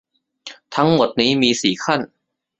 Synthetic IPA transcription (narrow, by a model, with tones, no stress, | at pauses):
t̪ʰa˦˥ŋmo˨˩t̪̚niː˦˥miː˧siː˨˩kʰa˥˩n